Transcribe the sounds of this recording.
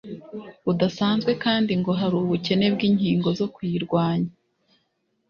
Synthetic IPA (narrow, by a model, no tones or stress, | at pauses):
udasaːnzɡwe̞kaːndiŋɡo̞ɦaɾuːβuce̞ne̞b̚ɡiːɲhiːŋɡo̞zo̞kwiːɾɡwaːɲa